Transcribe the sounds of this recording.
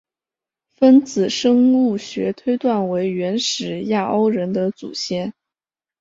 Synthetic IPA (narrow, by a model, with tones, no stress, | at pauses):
fə˥nt͡sɹ̩˨˩ʂɤ˥ŋu˥˩ɕɥɛ̰˧˥t̪ʰwe˥ɪt̪wa˥˩nwe˧˥ɪɥɛ˧˥nʂɻ̩˨˩ja˥˩ʔo˥ʊɻə˧˥nd̪ə˧t͡sṵ˨˩ɕjɛ˥˩n